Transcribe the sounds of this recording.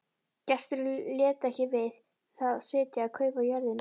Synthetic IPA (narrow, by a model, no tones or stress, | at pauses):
cɛst̪ɾʏljɛːt̪ɛhcɪvɪð | θaðsɪːt̪jaakʰœːɥvajœɾðɪn